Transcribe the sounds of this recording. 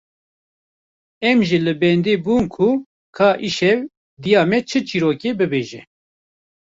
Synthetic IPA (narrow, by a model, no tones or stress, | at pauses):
ɛmʒilɨbɛnd̪eːbuːnkʰu | kʰaːʔiʃɛv | d̪ijɑːmɛt͡ʃʰɨt͡ʃʰiːɾoːkeːbɨbeːʒɛ